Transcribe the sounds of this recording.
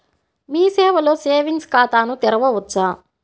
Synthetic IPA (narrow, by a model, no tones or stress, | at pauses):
miːsɛːʋɐlo̞ːseːʋinskaːt̪aːnut̪ɛɾɐʋɐʋɐt͡ʃːaː